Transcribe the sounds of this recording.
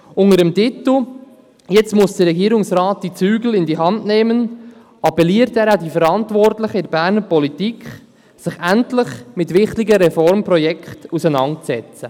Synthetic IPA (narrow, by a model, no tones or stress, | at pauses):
ʊŋəɾəmtit̪l̩ | jɛt͡stmʊsd̥əɾɛɡiːɾʊŋsɾɑːt̚d̥it͡syːɡl̩ɪndiɦɑndnɛːmən | ʔɑpɛliːəɾtæːɾadifəɾɑntʋɔrtlɪχəɪɾbæːɾnəɾpɔlitikχ | sɪχæntlɪχmɪtʋɪχtiɡəɾɛfɔɾmpɾɔjɛkχtusənɑnt̚t͡sɛt͡sə